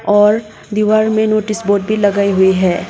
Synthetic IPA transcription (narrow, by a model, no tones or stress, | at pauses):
ɔːɾ | d̪iʋaɾmẽnoːʈɪsboːɾʈ̚bʱilɐɡaːiɦʊiɦɛː